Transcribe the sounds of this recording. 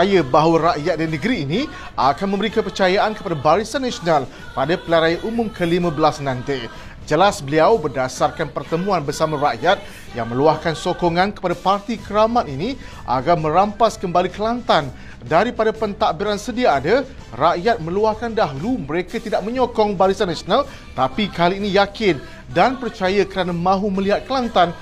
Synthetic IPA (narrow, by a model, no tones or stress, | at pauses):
ajəbaɦwaɾaʔjat̪̚dainəɡəɾiːni | ʔakanmə̃məɾikapərt͡ʃajaʔankəpadabaɾisanːasional | padapəlaɾajaʔumʊ̃mkəlimãbəlasnãnt̪aj | d͡ʒəlasbəliawbədasarkanpərt̪əmũanbərsamãraʔjat̪̚ | jaŋmə̃luahkansokɔŋankə̥padapart̪ikəɾamãt̪ini | ʔa̰ɡarmə̃ɾampaskəmbalikəlant̪an | daɾipadapənt̪aʔbiɾansədiaːdə | raʔjat̪̚mə̃luahkandaɦuluməɾekat̪idaʔ̚mə̃ɲɔkɔŋbaɾisanːasional | t̪apikaliːnijakɪn | danpərt͡ʃajəkəɾanamãɦumə̃liɦat̪̚kəlant̪an